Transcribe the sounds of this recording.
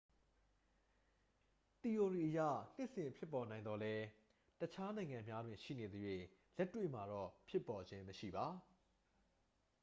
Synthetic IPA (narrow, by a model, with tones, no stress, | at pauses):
t̪i˨jo˨di˨ʔəja̰˦˨n̥ɪ˦ʔsɪ̃˨mpʰjɪ˦pːɔ˨nã˨ɪ̃nd̪ɔ˨lɛ˦ | tət͡ɕʰa˦nã˨ɪ̃ŋã˨mja˦dwɪ̃˨ʃḭ˦˨ne˨d̪əjwẽ˨ | lɛ˦tːwḛ˦˨ma˨ɾɔ˦˨pʰjɪ˦pːɔ˨d͡ʑɪ̃˦məʃḭ˦˨ba˨˦